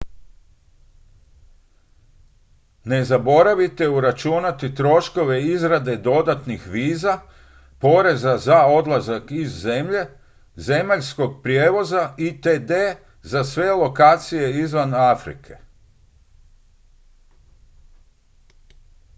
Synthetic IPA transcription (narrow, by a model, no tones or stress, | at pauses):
ne̞zabo̞ɾaʋit̪e̞uɾat͡ʃunat̪it̪ɾo̞ʃko̞ʋe̞izɾad̪e̞d̪o̞d̪at̪nixʋiːza | po̞ɾe̞zazao̞d̪lˠazakizːe̞mʎe̞ | ze̞maʎsko̞ɡ̚pɾjeːʋo̞zait̪ed̪e | zasʋe̞lˠo̞kaːt̪sije̞izʋanafɾḭkʰe̞̥